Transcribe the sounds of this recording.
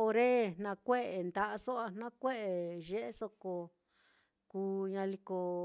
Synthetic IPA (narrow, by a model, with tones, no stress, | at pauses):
o˧ɾe˦n̥nã˧kʷe˦ʔe˨nd̪a˧ʔa˧so˦a˧nnã˦kʷe˦ʔe˨ʒe˦ʔe˦so˧ko˧ | kuː˧ɲã˧li˧ko˧